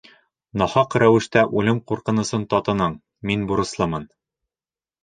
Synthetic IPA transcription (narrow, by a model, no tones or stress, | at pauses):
nɒhɑqɾæwɘ̆ʃt̪æʔulɘmquɾqɤ̆nɤ̆sɤnt̪ɒt̪ɤ̆nɤɴ | minbuɾɤ̆slˠɤmɤn